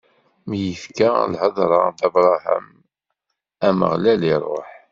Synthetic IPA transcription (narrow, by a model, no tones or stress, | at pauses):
mjəfkalħəðˤɾˤɑd̪ɑbɾˤɑɦæ̰m | æmə̰ʁlæliɾˤo̰ħ